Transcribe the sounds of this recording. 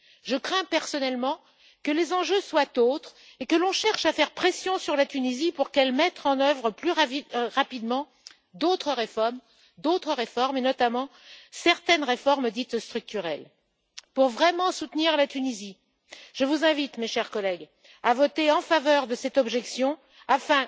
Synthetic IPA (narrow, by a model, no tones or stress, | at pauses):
ʒəkχɛ̃pɛʁsɔnɛlmɑ̃ | kəlezɑ̃ʒøswat̪ot̪χ | ekəlɔ̃ʃɛʁʃafɛʁpχesjɔ̃syʁlat̪ynizipuʁkɛlmɛt̪χɑ̃nœvʁəplyʁʁapid̪mɑ̃ | d̪ot̪χəʁefɔʁm | d̪ot̪χəʁefɔʁmenɔt̪amɑ̃sɛʁt̪ɛnʁefɔʁmd̪it̪st̪χyk̚t̪yʁɛl | puʁvʁɛmɑ̃sut̪niʁlat̪ynizi | ʒ̥əvuzɛ̃vit̪meʃɛʁkɔlɛɡ | avɔt̪eɑ̃favœʁd̪əsɛt̪ɔbʒɛksjɔ̃ | afɛ̃